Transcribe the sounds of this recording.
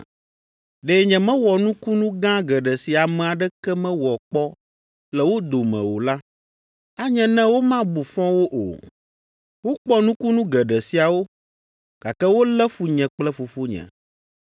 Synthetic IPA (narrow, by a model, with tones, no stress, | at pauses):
ɖe˨ɲɛ̃˨mɛ̃˦wɔ˨nũ˦ku˦nũ˦ɡã˦ɡɛ˨ɖɛ˨si˨a˨mɛ̃˨a˨ɖɛ˦kɛ˦mɛ̃˦wɔ˨k͡pɔ˦ | lɛ˨wo˦d̪o˨mɛ̰̃˨wo̰˨la˦ | a˦ɲɛ̃˨nɛ̃˦wo˦mã˦bu˨fɔ̃˦wo˦ʔo̰˨ | wo˦k͡pɔ˦nũ˦ku˦nũ˦ɡɛ˨ɖɛ˨si˨a˨wo˦ | ɡ̥a˨kɛ˦wo˦lɛ˦fu˨ɲɛ̃˨k͡plɛ˦fu˨fu˦ɲɛ̰̃˨